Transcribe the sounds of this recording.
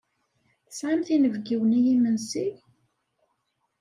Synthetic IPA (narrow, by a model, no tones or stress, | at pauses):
θəsʕamθinəvɡiwənijimənsi